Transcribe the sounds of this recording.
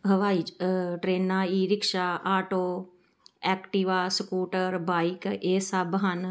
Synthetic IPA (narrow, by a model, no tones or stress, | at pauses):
ɦəʋaːiːʈɾeːnãːiːɾɪkʃaːʔaːʈoː | ɛːkʈiːʋaːsəkuːʈəɾbaːikeːsəbɦən